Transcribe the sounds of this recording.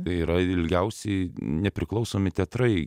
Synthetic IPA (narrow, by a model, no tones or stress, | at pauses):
ɐɪiːɾɐɪlʲɡʲɛʊsʲɛɪnʲɛpʲɾʲɪklˠɐʊsoːmʲɪt̪ʲɛt̪ɾɐɪ